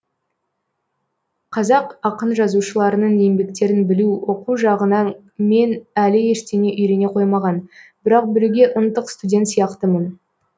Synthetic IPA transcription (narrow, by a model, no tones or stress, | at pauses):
qʰɑzɑqɑqənʒɑzuʃəlˠɑɾənəɴe̞mbe̞kt̪e̞ɾɪnbɪluwo̞quʒɑʁənɑn | me̞nælɪe̞ʃt̪eŋe̞ʔʏjɾe̞ne̞qʰo̞jmɑʁɑnbɪɾɑq̚bɪɾuɡʲe̞ʔʊnt̪əqst̪udʲe̞nt̪sijɑqt̪əmən